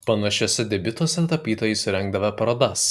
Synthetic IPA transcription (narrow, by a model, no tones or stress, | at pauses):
pɐnɐʃʲosʲɛd̪ʲɛbʲɪt̪oːsʲɛt̪ɐpʲiːt̪oːjɛɪsʊɾʲɛŋɡ̚d̪ɐʋɐpɐɾoːd̪ɐs